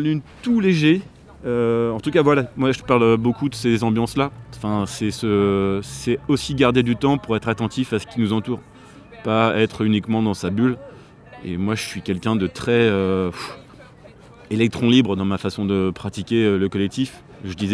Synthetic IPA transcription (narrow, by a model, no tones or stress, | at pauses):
lyt̪uleʒe | øɑ̃t̪ukavwalamwaʒəpaʁløbokud̪əsezɑ̃bjɑ̃slaɑ̃fɛ̃sɛsəsɛosiɡaʁd̪ed̪yt̪ɑ̃puʁɛt̪χat̪ɑ̃t̪ifasə̥kʲinuzɑ̃t̪uːʁ | paɛt̪χynikmɑ̃d̪ɑ̃sabyl | ḛmwaʒəsɥikʲɛlkʲɛ̃d̪ət̪χɛøf | elɛk̚t̪χɔ̃libʁd̪ɑ̃mafasɔ̃d̪əpχat̪ikʲeøləkɔlɛk̚t̪if | ʒəd̪izɛ